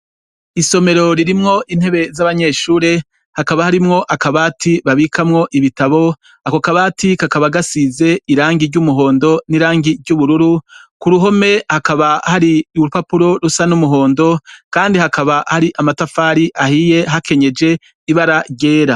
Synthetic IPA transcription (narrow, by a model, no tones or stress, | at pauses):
iso̞me̞ɾo̞ɾiɾimŋo̞ʔin̥he̞βe̞zaβaɲe̞ːʃuːɾe | hakaβahaɾimŋo̞ʔakaβaːtiβaβikʰamŋo̞ʔiβitaβo̞ | akokaβaːtikakaβaɡasize̞iɾaːŋɡiɾɟumuɦo̞ːndo̞niɾaːŋɡiɾɟuβuɾuɾukuɾuɦo̞me̞hakaβahaɾiuupapuɾo̞ɾusanumuɦo̞ːndo̞kaːndihakaβahaɾiʔamatafaːɾiʔahije̞ɦakʰe̞ɲe̞d͡ʒe̞ | iβaɾaɟe̞ːɾa